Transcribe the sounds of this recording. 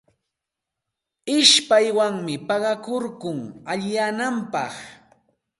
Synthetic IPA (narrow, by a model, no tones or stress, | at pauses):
ɪʃpajwaŋmɪpɑɢɑkoɾkʊŋaʎɪjanampɑχ